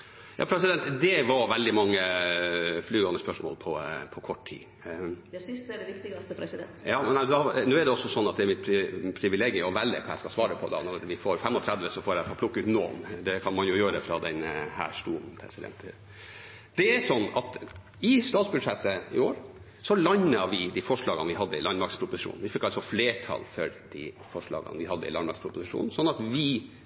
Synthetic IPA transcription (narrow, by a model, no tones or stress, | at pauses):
jʔɑ̰ːpʰɾɛsɪd̪ɛnt̪d̪ɛʋɑɾʋɛld̪ɪmɑŋːə | flyːɡɑnəʂspœʂmo̰ːlpʰɔpʰɔkʰɔʈːt̪ʰḭː | d̪sst̪ɖɛʋɪkt̪ɪɡsəɾɛsd̪ɛnjɑːmnæd̪ɔnøːæɖɛɔsːɔsɔnːɑt̪̚d̪ɛæɾmɪt̪̚pʰɾɪpʰɾɪʋɪleːɡəɔʋælːə̰kʰɑæɪskɑsʋɑːɾəpʰɔd̪ɑ̰nɔɾʋɪfoːɾfɛmːɔt̪ʰɾæd̪ʋəsɔfoːɾæfɑlpʰlʊkːʉːt̪no̰ːmd̪ɛkʰɑnmɑnjʊjøːɾəfɾɑd̪ɛnhæ̰ːʂʈuːnn̩pʰɾɛ̰sɪd̪ɛ̰nt̪ʰə | d̪̥ɛæsɔnːɑt̪ | ɪst̪ɑːt̪sbʉd̪ʂɛt̪ːəɪ̰oːɾ | sɔlɑɲːəʋɪd̪ifɔʂɭɑːɡənʋɪɦɑd̪ːəɪlɑnmɑɾkspʰɾʊpʊsɪʂṵːnnʋɪfɪkːɑlsɔfleːʈʰɑ̰lfœɾd̪̥ḭ | fɔʂɭɑ̰ːɡə̰nʋɪhɑd̪ːə̰ɪlɑnmɑɾkspʰɾʊpʊsɪʂṵːnn̩sɔnːɑt̪ʋɪ